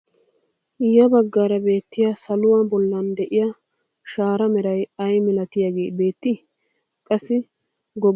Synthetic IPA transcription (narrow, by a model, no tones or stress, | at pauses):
ʔɪjːɐbɐɡːaːɾɐbe̞ːt̪ːɪjasɐlʊwɐbɔlːɐnd̪ɛʔɪjɐ | ʃaːɾɐmɛɾɐjɐjmɪlɐt̪ɪjaɡe̞ːbe̞ːt̪ːɪ | kʼɐsːɪ | ɡɔ